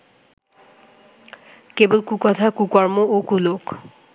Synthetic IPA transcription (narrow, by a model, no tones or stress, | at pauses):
kebolkukɔt̪ʰakukɔɹmookulok